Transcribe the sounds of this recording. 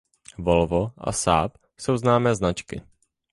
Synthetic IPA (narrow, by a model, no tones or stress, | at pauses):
volvoʔa̰sa̰ːp | so̞wznaːmɛːznat͡ʃkɪ̰